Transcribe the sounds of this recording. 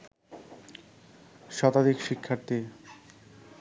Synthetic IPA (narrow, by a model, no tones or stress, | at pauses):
ʃɔt̪ad̪ikʃikʰːaɾt̪i